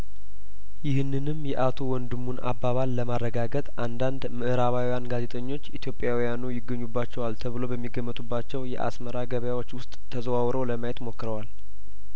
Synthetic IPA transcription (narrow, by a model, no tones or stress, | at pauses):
jɪhɨnːɨnɨmjɛʔat̪ʰo̞wɔnd̪ɨmːunʔa̰bːaβalːəmarːəɡaɡət̪ʼʔand̪and̪mɨʔɨɾaβawjanɡaze̞t̪ʼəɲːo̞t͡ʃːit̪ʰjo̞pʼjawijanujɪɡːəɲːubːat͡ʃːɛwalt̪ʰəβɨlo̞bəmːiɡəmːət̪ʼubːat͡ʃːɛwjɛ̰ʔa̰sməɾaɡəβəjawo̞t͡ʃːwʊst̪ʼt̪ʰːəzəwawɾəwləmajɛt̪mo̞kːɾəwal